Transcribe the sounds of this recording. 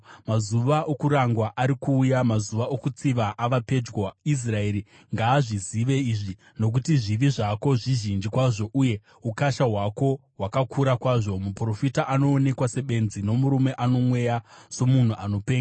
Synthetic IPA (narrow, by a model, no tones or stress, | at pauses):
mazuʋaʔokuɾaŋɡwaʔaɾikuːjamazuʋaʔokut͡siʋaʔaʋape̞d͡ʒɡoais̬rae̞ɾi | ŋɡaːʐiziʋe̞iʐi | no̞k̬utiʐiʋiʐako̞ʐiʒind͡ʒikwaʐo̞ʔuje̞ | ukaʃaɦwako̞ɦwakakʰuɾakwaʐo̞mupro̞fitaʔano̞ːne̞kwase̞ɓe̞nzino̞muɾume̞ʔano̞mwe̞jaso̞mun̤uʔano̞peːŋɡa